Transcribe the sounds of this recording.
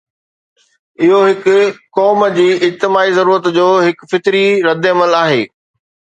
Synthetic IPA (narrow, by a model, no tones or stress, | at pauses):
ɪɦoɦɪkʊ̆kɔːmd͡ʑiːɪd͡ʑt̪ɪmaːizɐɾuːɾət̪d͡ʑoːɦɪkfɪt̪ɾiɾɐd̪ɪɐməlaːɦeː